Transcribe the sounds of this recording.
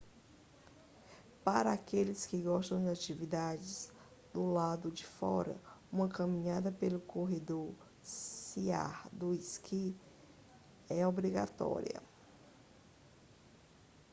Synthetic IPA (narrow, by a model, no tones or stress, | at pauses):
paɾɐakelɪskɪɡɔʃt̪ɐ̃w̃d͡ʒɪat͡ʃivid̪ad͡ʒɪz | d̪ʊlad̪ʊd͡ʒɪfɔ̰ɾɐ̰ũmɐkɐmĩɲad̪ɐpelʊkoɦed̪oɾ | sia̰ɾd̪ʊiskʰi | ɛobɾiɡa̰t̪ɔ̰ɾḭɐ̰